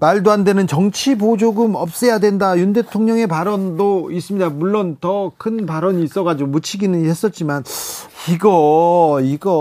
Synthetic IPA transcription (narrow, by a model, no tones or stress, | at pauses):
maɭdoɦande̞nɯnt͡ɕʌŋt͡ɕʰibod͡ʑoɡɯmʌp̚s͈ejadwe̞ndajunde̞tʰoŋɲʌŋe̞paɾʌndois͈ɯmɲidamuɭːontʌkʰɯnpaɾʌɲiːs͈ʌɡad͡ʑiɡomut͡ɕʰiɡinɯnhe̞s͈ʌt̚t͡ɕ͈imaniɡʌiɡʌ